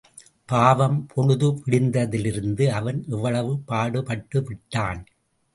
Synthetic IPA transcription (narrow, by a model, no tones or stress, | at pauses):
paːʋɐmpʰɔɻɯðɯʋɪɽɪnd̪ɐðɪlɪɾɯnd̪ɯɐʋɐnʔɛʋːɐɭɐʋɯpaːɽɯpɐʈːɯʋɪʈːaːn